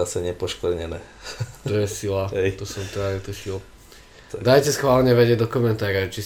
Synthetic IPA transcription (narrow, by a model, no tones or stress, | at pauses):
asɛɲɛpɔʃklɛɲɛnɛː | t̪ɔjɛsilat̪ɔsɔmt̪ɛd̪aɛt̪uʃil | d̪ajcɛsxʋaːlɲɛʋɛɟɪɛɟd̪ɔkɔmɛnt̪aːɾɔt͡ʃi